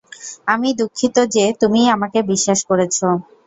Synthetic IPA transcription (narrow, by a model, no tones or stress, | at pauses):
amid̪ukʰːit̪od͡ʑet̪umiamakebiʃːaʃkoɾet͡ɕʰo